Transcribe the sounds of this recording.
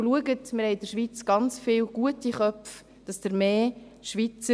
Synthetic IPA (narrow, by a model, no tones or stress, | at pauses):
luəɡətmɪɾhɛɪdəɾʃʋiːt͡sɡ̥ɑnt͡sfɪːlɡ̥uətiχœpf | d̥ɑsd̥əɾmeː | ʃʋit͡sə